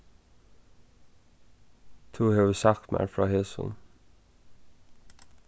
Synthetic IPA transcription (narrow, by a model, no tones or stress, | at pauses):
t̪ʰuːheʋsɑkmæ̰ɹfɹɑːheːsʊ̰n